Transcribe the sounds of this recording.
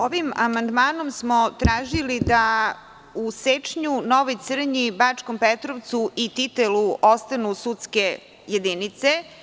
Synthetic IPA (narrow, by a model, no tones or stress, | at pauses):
oʋimamand̪maːno̞msmot̪ɾaːʒilid̪a | uset͡ʂɲunoʋojt̪sr̩ɲibat͡ʂkompet̪ɾoʋt̪suʔit̪it̪eluost̪anusut̪ske̞ | jed̪init̪se